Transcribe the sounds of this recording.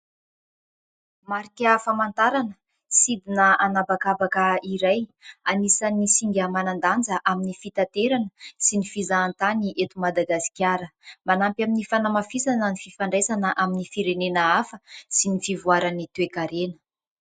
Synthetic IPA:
maɾikʲafamant̪aɾanə | sid̪inəanabakabakəiɾajanisanisiŋɡʲəmanand̪and͡zəʔaminifit̪at̪eɾanəsinifizaːnt̪aniʔet̪umad̪aɡasi̥kʲjaɾəmanampjaminifanamafisanənififaɳɖ͡ʐesanəʔaminifiɾenenəafəsinifivuaɾanit̪uwekaɾenə̥

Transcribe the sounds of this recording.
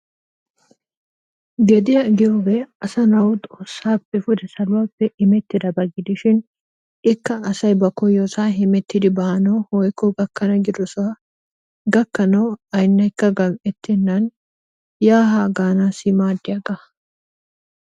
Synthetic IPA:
ɡɛd̪ɪjɐɡɪjoɡɛɐsɐnɐwʊt̪ʼoːsːaːpːɛfʊd̪ɛsɐlʊwapːɛʔɪmɛt̪ːɪd̪ɐbɐɡɪd̪ɪʃɪn | ɪkːɐːsɐjbɐkɔjoːsaːɦɪmɛt̪ːɪd̪ɪbɐhɐnɐwhɔjkːɔɡɐkːɐnɐɡɪd̪ɔsɔwɐ | ɡɐkːɐnɐwɐjnːɐjkːɐɡɐmɛt̪ːɪnːɐn | jaːɦaːɡaːnaːsɪmaːd̪ːɪjɐɡɐ

